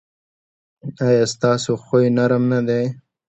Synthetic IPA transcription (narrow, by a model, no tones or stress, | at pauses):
ajɑːst̪ɑsoxojnaɾəmnad̪e